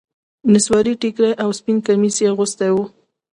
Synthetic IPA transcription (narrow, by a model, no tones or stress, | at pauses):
nɪswɑɾiʈikɾeʔawspinkamiseɣʊst̪awu